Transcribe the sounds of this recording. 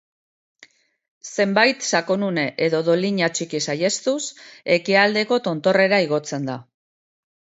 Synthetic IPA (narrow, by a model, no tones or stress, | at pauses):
se̞mbajt̪sakonune̞ʔeðo̞ðo̞liɲat͡ʃikisaje̞st̪use̞kiald̪e̞ko̞t̪o̞nt̪o̞re̞ɾaiɣ̞o̞t͡se̞nd̪a